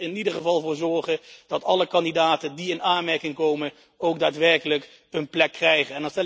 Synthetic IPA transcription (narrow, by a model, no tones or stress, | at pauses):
ɪnidəχəvɑlˠvʊːɹzɔɹχəd̥ɑtɑləkɑndidaːtəndiɪnaːnmɛɹkɪŋkowmən | owɡ̚daːtʋɛɹkələk | ənplɛkːrɛjχənɛndɑnstɛ